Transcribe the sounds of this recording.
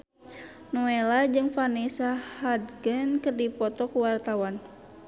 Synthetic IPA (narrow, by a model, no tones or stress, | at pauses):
nɔelad͡ʒɨŋfanisahadɡənkɨrdipɔt̪ɔkuwart̪awan